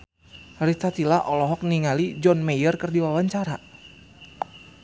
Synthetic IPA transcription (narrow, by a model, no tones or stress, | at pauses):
ɾit̪at̪ilaʔɔlɔɦɔk̚niŋalid͡ʒɔnmejərkərdiwawaɲt͡ʃaɾa